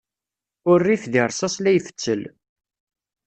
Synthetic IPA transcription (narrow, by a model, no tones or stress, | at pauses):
ʊrːiθðiɾˤsɑslæjfə̥t͡sːəl